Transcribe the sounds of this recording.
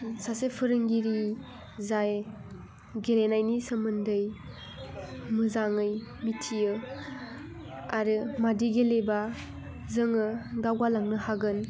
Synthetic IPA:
sasepʰɯɾɯŋɡiɾi | zaj | ɡelenajnisɯmɯndɯj | mɯzaŋɯjmitʰijɯ | aɾɯmadiɡeleba | zɯŋɯɡawɡalaŋnɯhaɡɯn

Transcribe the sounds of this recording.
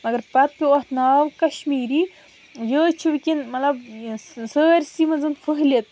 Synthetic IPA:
mɐɡɐɾpɐt̪̚pʲiwɐht̪naːwkɐʃmiːɾi | jəːt͡ʃʰuʋikʲinmɐlɐbsəːɾʲsimɐnzɨnfəɦlet̪̚

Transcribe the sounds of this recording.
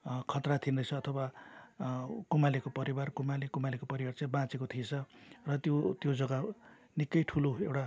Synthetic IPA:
kʰʌt̪rat̪ʰindʌjt͡sʰʌːt̪ʰʌwa | kumalekopʌɾibarkumalekumalekopʌɾibart͡sʌĩbãt͡sikot̪ʰit͡sʰʌrʌt̪jot̪jod͡zʌɡa | nikːʌjʈʰuloewʈa

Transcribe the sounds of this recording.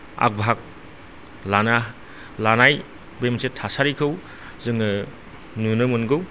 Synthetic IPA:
a̰k̚bʱɦak̚ | lana | lanaj | bemsʰetʰasaɾikʰɯw | zɯŋɯ | nunɯmɯnɡɯw

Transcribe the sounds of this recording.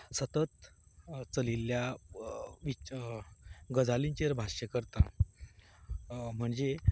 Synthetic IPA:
sət̪ət̪ | t͡səlilːja | ʋi | ɡəd͡zʱaliɲt͡ɕiɾbʱaɕəkəɾt̪ã | m̤əɳd͡ze

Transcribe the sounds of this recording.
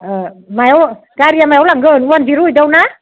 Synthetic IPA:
ʔəmawkaːɾiamɛwlaːŋɣəːnŋwəntiɾuɗəwna

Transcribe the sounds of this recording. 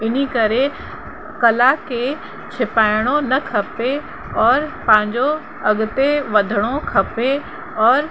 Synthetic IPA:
ɪnikɐɾe | kɐlake | t͡ʃʰɪpaːɪɽ̃onɐkʰɐpe | ɔːɾpɐ̃ɦɪ̃ɲd͡ʑo | ɐɠt̪eʋɐd̪ʱəɽ̃okʰɐpe | ɔːɾ

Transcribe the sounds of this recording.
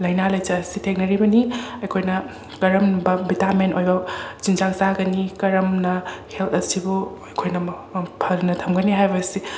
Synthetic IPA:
lɐjnalɐjt͡ʃɐːsitʰek̚nɐɾibɐniɐjkʰojnɐ | kɐɾɐmbɐbitamentojbɐt͡ʃinzaŋsaɡɐnikɐɾɐmnɐhelt̪ʰɐsibuɐjkʰojnɐpʰɐlnɐtʰɐmɡɐniɦajbɐsi

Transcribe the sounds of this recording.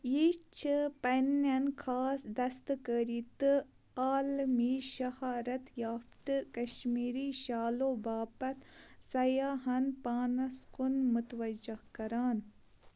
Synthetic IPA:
jit͡ʃʰɨpɐnɐnkʰaːsd̪ɐst̪kəɾit̪ | aːlmiʃɐhaːɾɐt̪jaːfpt̪ɨkɐʃmiːɾiʃaːloːbaːpɐt̪sɐjaːɦɐnpaːnɐskunmut̪ʋɐd͡ʒɐhkɐɾaːn

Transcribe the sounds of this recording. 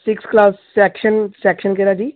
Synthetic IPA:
sɪksklaːssɛːkʃənsɛːkʃənkɛɾaːd͡ʒiː

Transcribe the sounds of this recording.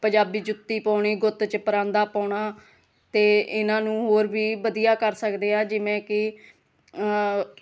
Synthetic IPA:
pə̃ɲd͡ʒaːbiːd͡ʒʊt̪ːiːpaːɳiːɡʊt̪t͡ʃpəɾãːnd̪aːpaːʊɳaː | t̪eːɪnãːnũːɦoːɾbiːbəd̪ijaːkəɾsəkd̪eːaːd͡ʒɪʋẽːkɪ

